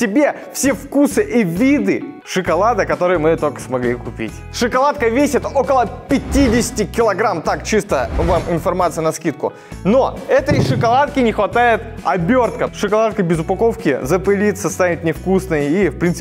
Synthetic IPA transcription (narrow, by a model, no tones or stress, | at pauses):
tʲɪbʲe̞ | fsʲe̞fkusɨʔivʲid̪ɨ | ʂɨkɐlˠad̪ɨkɐt̪o̞ɾɨjəmɨt̪o̞lʲkə̥smɐɡlʲikʊpʲḭtʲ | ʂɨkɐlˠat̪̚kəvʲesʲɪt̪o̞kəlˠəpʲɪtʲidʲɪsʲɪ̥tʲɪkʲɪlˠɐɡɾamt̪akt͡ɕist̪əvamʔɪnfɐrmat̪sɨjnɐskʲit̪̚kʊ̰ | noɛt̪əjʂɨkɐlˠat̪̚kʲɪnʲɪxvɐt̪ajɪt̪ɐbʲo̞rt̪kəʂɨkɐlˠat̪kəbʲɪzʊpɐko̞fkʲɪ̰zəpɨlʲit̪səst̪avʲɪt̪̚nʲɪfkusnɨjəifpɾʲint̪sp